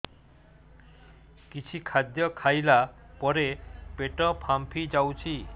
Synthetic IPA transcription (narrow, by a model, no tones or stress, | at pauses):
kit͡ɕʰikʰad̪jɔkʰajla | pɔɾepeʈɔpʰampʰid͡ʒawt͡ʃʰi